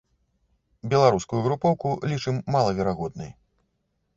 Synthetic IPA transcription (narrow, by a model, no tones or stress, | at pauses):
bʲɛlˠaɾuskujuɣɾupɔwkulʲit͡ʂɨmːalˠɐvʲɛɾaɣɔd̪nɨ̰j